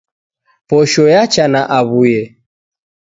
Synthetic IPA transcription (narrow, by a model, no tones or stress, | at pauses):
pɔʃɔjat͡ʃanaʔaβujɛ